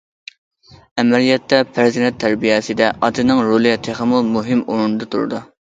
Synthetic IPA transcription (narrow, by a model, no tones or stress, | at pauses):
ɛmɛlijɛt̪ʰːɛpʰæɾzɪnɛt̪ʰːæɾbijɛsɪd̪ɛʔɑt̪ʰɨnɪŋɾolˠɪt̪ʰeχæmːulˠmuɦɪmoɾnɨd̪ɑt̪ʰṵɾɨ̰d̪u